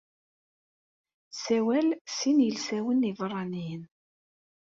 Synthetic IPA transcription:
sæwælsinjəlsæwənːivrˤːɑnijən

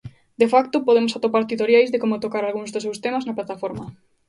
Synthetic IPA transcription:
d̪efakt̪opoð̞emosat̪opaɾt̪it̪oɾjajzðekomot̪okaɾalɣuŋzðesewst̪emaznɐplat̪afoɾmɐ

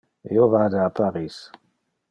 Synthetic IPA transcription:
ḭovaːd̪aapaɾiːs

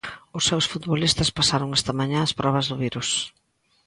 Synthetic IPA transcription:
ʊsːewsfut̪βolist̪ɐspasaɾoŋɛst̪ɐmaɲãɐspɾɔβɐzðʊβiɾus

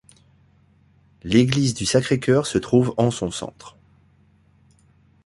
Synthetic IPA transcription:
leɡlizd̪ysakχekʰʲœʁsət̪χuvɑ̃sɔ̃sɑ̰̃t̪χ

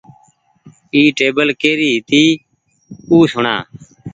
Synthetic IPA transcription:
iːʈeːbəlkeːɾiːɦɪt̪iː | uːsʊɳa̰ː

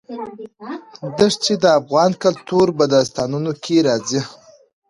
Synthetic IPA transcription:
d̪əʂt͡ʃed̪əafɣɑnkalt̪uɾbad̪ast̪ɑnunokʲʰeɾɑzi

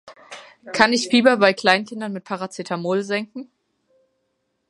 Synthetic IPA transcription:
kʰanɪçfiːbɐbaɪkl̥aɪnkʰɪndɐnmɪt̚pʰaʁat͡sɪtʰamʊlzɛŋkŋ̩

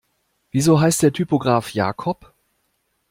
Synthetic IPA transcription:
v̥iːzoːɦaɪst̚d̥eːɐtʰypoɡʁaːfja̰ːkʰɔp

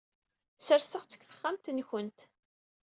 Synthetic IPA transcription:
səɾsəʁt͡sːə̥kθə̥χːamt̪nçənt̪

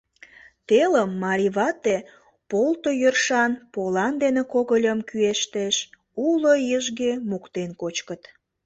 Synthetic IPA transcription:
t̪eləmːɑɾʲiβɑt̪e | polt̪ojørʃɑnpolɑnd̪enekoɣəlʲəmkyeʃt̪eʃ | ulojəʒɣemukt̪enkot͡ɕkət̪

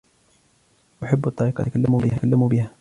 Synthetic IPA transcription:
ʔaħabːɑt̪ˤːɑɾiːqɑkalːamubɪhakalːamubɪha

